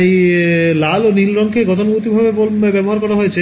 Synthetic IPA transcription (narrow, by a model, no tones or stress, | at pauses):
ejlalonilɾɔŋkeɡɔt̪̬onmut̪ibʱabebɔbɛboɦaɾkɔɾaɦojet͡ɕʰe